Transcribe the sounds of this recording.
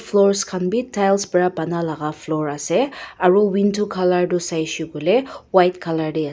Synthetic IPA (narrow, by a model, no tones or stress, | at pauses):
fʰlɔɹskʰanbitʰːajlsbɹabanalaɡafʰlɔɹasɛaɹuwintʰukʰalaɹdusajsuɡɔlɛwajtkʰalaɹdia